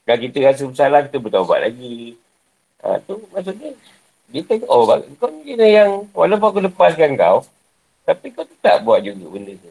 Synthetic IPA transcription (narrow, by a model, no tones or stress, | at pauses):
kalk̬it̪əɣas̬əbəsalahkit̪əbət̪awba̰ʔlʔa̰ɡi | ʔə̰̃t̪umaʔs̬uʔɲə | ɡit̪əʔobaəŋkawɲəənəjaŋwalawp̬uŋakuləpaskaŋka̰w | t̪apikawt̪ət̪a̰ʔbuat̪̚d͡ʒuɡəbəndət̪u